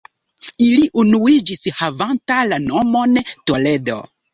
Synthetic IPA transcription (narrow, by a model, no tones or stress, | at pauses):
iliʔunuid͡ʒishavantalano̞mo̞ntole̞do̞̰